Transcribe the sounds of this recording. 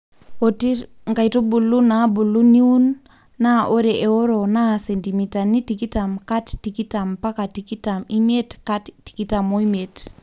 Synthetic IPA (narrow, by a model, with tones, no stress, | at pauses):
otiŋɡa˨jtu˦bu˨lu˦nabu˨lu˦ni˦u˦nː | aʔo˦ɾɛʔe˨o˦ɾo˨nasɛ˨nti˨mitani˦tiki˦tamkattiki˦tampa˦katiki˦tami˦m˦e˦tkattːi̥˨ki˦ta˨mo˦imet